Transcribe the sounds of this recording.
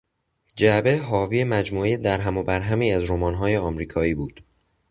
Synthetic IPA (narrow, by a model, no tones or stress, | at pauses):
d͡ʒæbe̞ɦɒːviːemæd͡ʒmuːejed̪æɾɦæmobæɾɦæmiːæzɾomɒːnɦɒːjeɒːmɾiːkʰɒːiːbuːd̪̥